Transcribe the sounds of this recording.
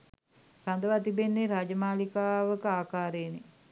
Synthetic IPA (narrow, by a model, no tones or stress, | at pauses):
rand̪əʋat̪ibenːeɾaːd͡ʒəmaːlikaːʋəkəaːkaːɾene